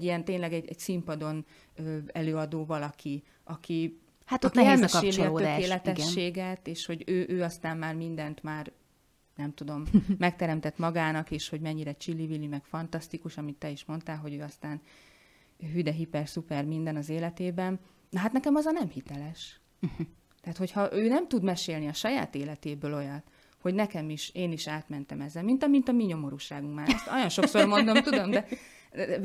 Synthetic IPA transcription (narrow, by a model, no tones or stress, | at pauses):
ijɛnt̪eːnlɛɡɛɟɛ̰ɟsimpɒd̪o̞n | øːɛløːɒd̪oːvɒlɒki | ɒki | hat̪ot̪iɛlmʃeːlilɒotːøaːeːlɛt̪ɛɡʃːeːɡɛt̪eːʃho̞ɟøːʔøːɒst̪aːmːaːrmind̪ɛnt̪maːr | nɛmt̪ud̪o̞mːɛkt̪ɛɾɛmt̪ɛt̪mɒɡaːnɒkeːʃho̞ɟmɛɲːiɾɛt͡ʃilːivilimɛkfɒnt̪ɒst̪ikuʃɒmit̪ːɛiʃmo̞nt̪aːlɦo̞ɟøːɒst̪aːn | ɦyd̪ɛɦipɛrsupɛrmind̪ɛnɒzeːlɛt̪eːbɛn | nɒɦat̪nɛkɛmɒzɒnɛmhit̪ɛlɛʃ | t̪ɛːt̪ho̞chɒʔøːnɛmt̪ud̪mɛʃeːlniɒʃɒja̰ːt̪eːlɛt̪eːbøːlo̞jɒn | ho̞ɟnɛkɛmiʃeːniʃaːt̪mɛnt̪ɛmɛzːɛlmint̪ɒmint̪ɒmiɲo̞mo̞ɾuːʃaːɡuŋkmaːɾɛst̪ojo̞nʃo̞kso̞rmo̞nd̪o̞mt̪ud̪o̞md̪ɛ